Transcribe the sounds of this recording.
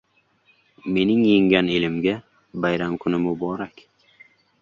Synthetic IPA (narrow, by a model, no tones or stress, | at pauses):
me̞nɪŋjɪŋɡʲanelɪmɡʲa | bajɾamkʰʊnɪmʊbɒɾakʲ